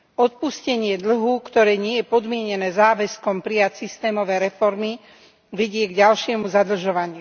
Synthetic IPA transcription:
ɔt̪̚puscɛɲɪɛd̪l̩ɦukt̪ɔɾɛːɲɪɛjɛpɔd̪mɪɛɲɛnɛːzaːʋɛskɔmpɾijacsist̪ɛːmɔʋɛjɾɛfɔɾmi | ʋɛɟɪɛɡɟalʃɪɛmuzad̪r̩ʒɔʋaɲɪu

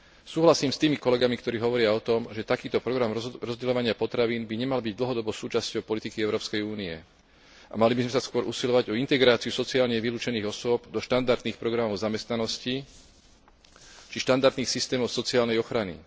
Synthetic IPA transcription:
suːɦlasiːmst̪iːmikɔlɛɡamikt̪ɔɾiːɦɔʋɔɾɪaɔt̪ɔmʒɛt̪akiːt̪ɔpɾɔɡɾamɾɔzɟɛlɔʋaɲɪapɔt̪ɾaʋiːnbiɲɛmalbiɟd̪l̩ɦɔd̪ɔbɔʊsuːt͡ʃascɔʊpɔlit̪ikiɛʊɾɔːpskɛjuːniɛ̰ | ʔa̰malibizmɛsaskʊɔɾʔusilɔʋaɟɔint̪ɛɡɾaːt͡siusɔt͡siaːlɲɛʋiluːt͡ʃɛniːɣɔsʊɔbd̪ɔʃt̪and̪aɾd̪niːxpɾɔɡɾamɔʊzamɛst̪nanɔsci | t͡ʃiʃt̪and̪aɾd̪niːxsist̪ɛːmɔʊsɔt͡siaːlnɛjɔxɾanḭ

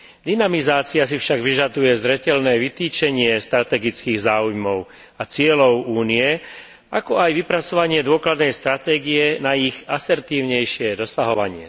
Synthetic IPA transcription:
d̪inamizaːt͡sias̬ifʃaɡʋiʒad̪ujɛzɾɛcɛlnɛːʋit̪iːt͡ʃɛɲɪɛst̪ɾat̪ɛɡit͡skiːɣzaːujmɔʊ | at͡sɪɛlɔʊuːniɛ | ʔakɔajʋipɾat͡sɔʋaɲɪɛd̪ʊɔklad̪nɛjst̪ɾat̪ɛːɡijɛnaiɣasɛɾt̪iːʊɲɛjʃɪɛd̪ɔsaɦɔʋa̰ɲɪɛ̰

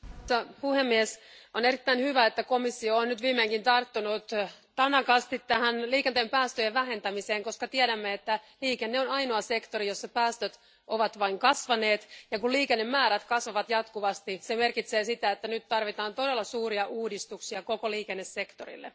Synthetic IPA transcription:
mut̪ːɑpuhemːiɛsoneɾit̪ːæinhyʋæet̪ːæko̞misːioːnnyt̪ʋiːmeːŋkint̪ɑrt̪ːunut̪t̪ɑnɑkɑst̪it̪tːæhænliːkent̪empæːst̪øjeʋʋæɦe̞nt̪æmiseːŋko̞skɑt̪iæɾæmːeet̪ːæliːkenːeonɑijnoɑse̞kt̪o̞ɾijosːɑpæːst̪øt̪ | ʔoʋɑt̪ʋɑiŋkɑsʋɑne̞ːt̪jɑkulliːkenːemːæːɾæt̪kɑsʋɑʋɑt̪jɑt̪kuʋɑst̪iseme̞rkit̪seːsit̪æet̪ːænyt̪tɑrʋit̪ɑːnt̪o̞delːɑsuːriɑʔuːdist̪uksiɑkokoliːkenːesːe̞kt̪o̰rḭlːḛ

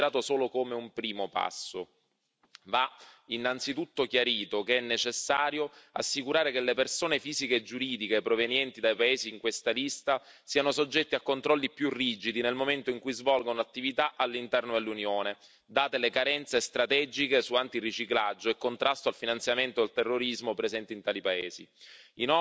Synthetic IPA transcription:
ɾaːt̪osoːlokomeumpɾiːmopa̰sːo | vainːant̪sit̪ut̪ːok̟jaɾiːt̪okeɛnːet͡ʃesːaːɾjoa̰sːikuɾaːɾekelːepersoːnefiːzikeːd͡ʒːuɾiːd̪ikepɾovenjɛnt̪id̪ajpaeːziːŋkwest̪alist̪a | siːanosod͡ʒːɛt̪ːiakːont̪ɾɔlːipjurːiːd͡ʒid̪inelmoment̪oiŋkujzvɔlɡonolat̪ːivit̪aʔalːint̪ɛrnod̪elːunjoːne | d̪aːt̪elekaɾɛnt̪sest̪ɾat̪ɛd͡ʒikesuant̪irːit͡ʃiklad͡ʒːoɛkːont̪ɾast̪oalfinant̪sjament̪od̪elt̪erːoɾizmopɾezɛnt̪int̪aːlipaeːziinɔ

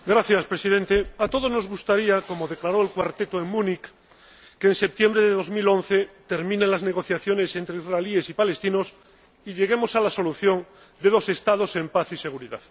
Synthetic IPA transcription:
ɡɾaθjaspɾe̞siðe̞nt̪e̞at̪o̞ð̞o̞zno̞zɣust̪aɾiako̞mo̞ðe̞klaɾo̞e̞lkwaɾt̪e̞t̪oe̞ŋmũnikː | eːnse̞p̚t̪je̞mbɾeðeðo̞zmilo̞n̟θe̞t̪eɾmĩnenlazne̞ɣ̞o̞θjaθjo̞ne̞se̞nt̪ɾeizraelie̞sipale̞st̪ino̞s | iʎe̞ɣ̞e̞mo̞salaso̞luθjo̞n | d̪e̞ð̞o̞se̞st̪að̞o̞se̞mpaθise̞ɣ̞uɾiða̰ð

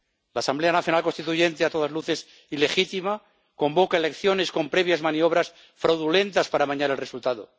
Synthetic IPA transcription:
laːsamble̞anaθjo̞nalko̞nst̪it̪uʝe̞nt̪eat̪o̞ð̞azluθe̞s | ile̞xit̪ima | ko̞mbo̞kaele̞kθjo̞ne̞sko̞mpɾe̞β̞jazmãnio̞β̞ɾas | fɾawðule̞nt̪aspaɾaβaɲaɾelresult̪aðo̰

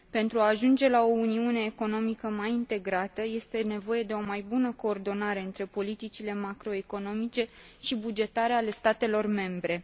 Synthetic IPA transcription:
pe̞nt̪ɾuaːʒund͡ʒe̞lao̞uniune̞ːko̞no̞mikəmajint̪e̞ɡɾat̪əje̞st̪e̞ne̞vo̞je̞d̪e̞o̞majbunəko̞ːrd̪o̞naɾe̞ɨnt̪ɾe̞po̞lit̪it͡ʃile̞makɾo̞e̞ko̞no̞mit͡ʃe̞ | ʃibud͡ʒe̞t̪aɾeale̞st̪at̪e̞lo̞rme̞mbɾe̞

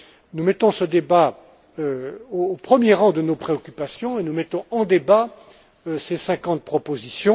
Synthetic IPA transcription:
numɛt̪ɔ̃səd̪eba | øoːpχəmjeʁɑ̃d̪ənopχeɔkʲypasjɔ̃enumɛt̪ɔ̃ɑ̃d̪eba | sesɛ̃kɑ̃t̪̚pχɔpozisjɔ̃

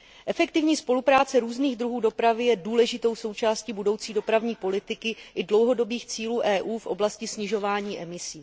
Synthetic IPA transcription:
ʔɛfɛkt̪ɪvɲiːspo̞lupɾaːt͡sɛɾuːzniːɣd̪ɾuɦuːdo̞pɾavɪjɛduːlɛʒɪt̪o̞wso̞wt͡ʃaːsciːbudo̞wt͡siːdo̞pɾavɲiːpo̞lɪt̪ɪkɪʔɪdlo̞wɦo̞do̞biːxt͡siːluːʔɛːʔuːfʔo̞blascɪsɲɪʒo̞vaːɲiːʔɛmɪsiː

